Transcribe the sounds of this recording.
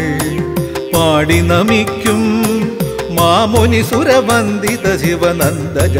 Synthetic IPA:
paːɽinɐmikʰjum | maːmonisuɾeʋɐnd̪it̪ɐd͡ʒiʋɐnɐnd̪ɐd͡ʒɐ

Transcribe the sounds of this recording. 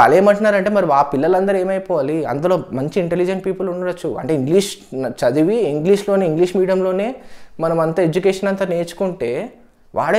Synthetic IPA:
ɐ̰leːmɐɳʈunːaːɾɐɳʈeːmɐɾiʋaːpilːɐlɐnd̪ɐɾe̞ːmɐjpɔːʋaːliɐ̰nd̪ɐlo̞ːmɐɲt͡ʃiiɳʈelid͡ʒɐnʈpiːpɐluɳɖɐɽɐt͡ʃːuɐ̰ɳʈe̞ːiŋɡliːʂt͡ʃɐd̪iʋiiŋɡliːʂloːneːiŋɡliːʂmiːɽɐmlo̞ːne̞ːmɐnɐmɐnt̪ɐed͡ʒukeːʂɐnɐnt̪aːne̞ːt͡ʃu̥kuɳʈe̞ː | ʋa̰ːɭ

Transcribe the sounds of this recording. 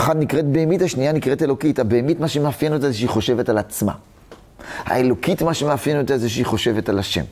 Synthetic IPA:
χad̪nikʁet̚beemithaʃnijanikʁetelo̞kithabeemitmaʃemeafjenot̪azeʃeiχo̞ʃe̞vetalat͡sma̰ | ha̰elo̞kitmaʃemeafjenot̪azeʃeiχo̞ʃe̞ve̞talaʃḛm

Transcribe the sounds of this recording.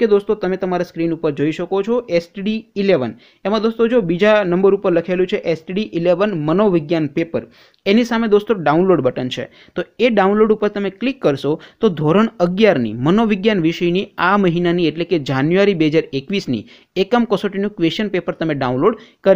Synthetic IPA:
ked̪ost̪ot̪əmet̪əmaɾaskɾinupəɾd͡ʒoiʃəkot͡ʃʰoʔesʈɖiːleʋən | emãd̪ost̪od͡ʒobid͡ʒanəmbəɾupəɾləkʰelũt͡ʃʰeʔesʈɖiʔileʋənmənoʋɪɡjanpepəɾ | enisamed̪ost̪oɖaunloɖbəʈənt͡ʃʰḛ | t̪oeɖaunloɖupəɾt̪əmeklikːəɾʃot̪od̪ʱoɾəɳ̃əɡjaɾnḭmənoʋɪɡjanʋiʃəjniaməɦinanieʈleked͡ʒanjuaɾibeɦəd͡ʒaɾekʋisnḭ | ekəmkəsoʈinũkʋeʃənpepəɾt̪əmeɖaũnloɖkəɾ

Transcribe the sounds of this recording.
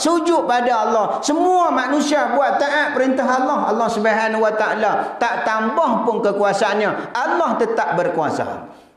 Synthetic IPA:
sud͡ʒʊʔpadaalːɔhsəmuamanũsiabuaʔ̚t̪ːaʔaʔpəɾint̪aɦalːɔɦalːɔhsəbaɦanwat̪aʔalat̪aʔt̪ambɔŋpʊnkəkuasaanɲaalːɔht̪ət̪ap̚bərkua̰sa̰

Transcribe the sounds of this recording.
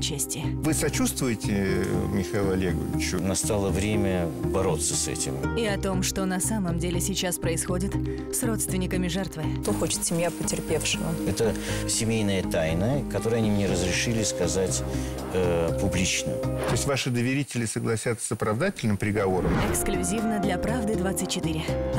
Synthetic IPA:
t͡ɕːesʲtʲɪvɨsɐt͡ɕust̪vʊjɪtʲɪmʲɪxɐilˠɐlʲeɡə̰vʲɪ̰t͡ɕʊnɐst̪alˠəvɾʲemʲəbɐɾo̞t̪sːəsɛ̰tʲɪ̰mɪɐt̪o̞mʂt̪o̞nɐsaməmdʲelʲɪsʲɪt͡ɕaspɾəɪsxo̞dʲɪt̪ | sro̞t̪st̪vʲɪnʲɪkəmʲɪʐɛrt̪vɨt̪oxot͡ɕɪ̥t̪sʲɪmjapətʲɪrpʲe̞fʂɨvə̰ɛt̪əsʲɪmʲejnəjət̪ajnəkɐt̪o̞ɾəjəɐnʲimnʲeɾəzɾʲɪʂɨlʲɪskɐzatʲ | əpʊblʲit͡ɕnə̰t̪o̞ɪsʲtʲvaʂɨd̪əvʲɪɾʲitʲɪlʲɪsəɡlˠɐsʲat̪sə̥səpɾɐvd̪atʲɪlʲnɨmpɾʲɪɡɐvo̞ɾəmɛksklʲʉzʲivnəd̪lʲɐpɾavd̪ɨd̪vat̪sɨt̚ʲt͡ɕːɪt̪ɨɾʲɪ

